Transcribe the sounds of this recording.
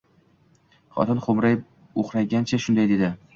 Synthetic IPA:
χɒ̰t̪ʰɪnχomɾaj | oχɾajɡʲant͡ʃʰaʃʊnd̪ajd̪e̞d̪ɪ

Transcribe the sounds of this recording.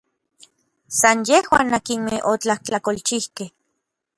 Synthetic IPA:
sanjehwa̰ːnːakinmeʔot͡ɬaht͡ɬakolt͡ʃihkeh

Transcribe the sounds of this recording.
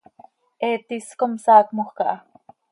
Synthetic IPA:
ʔeːt̪iskomsaːkmoχkɑʔɑ

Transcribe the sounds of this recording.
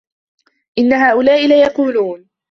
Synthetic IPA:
ʔɪnːaɦaːʔʊlaːʔɪlajɑquːluːn

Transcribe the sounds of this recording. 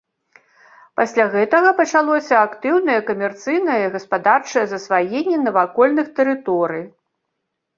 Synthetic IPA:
pasʲlʲaɣɛt̪ɐɣɐpɐt͡ʂalˠɔsʲɐakt̪ɨwnɐjɐkɐmʲɛrt̪sɨjnɐjɐɣɐspad̪art͡ʂɐjɐzɐsvajenʲːɛnɐvakɔlʲnɨxt̪ɛɾɨt̪ɔɾɨj

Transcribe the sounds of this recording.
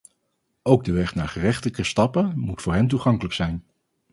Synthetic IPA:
owɡ̚dəʋɛχna̰ːɹχərɛχtələkəstɑpəmutfʊːɹɦɛnt̬uχɑŋkələksɛjn

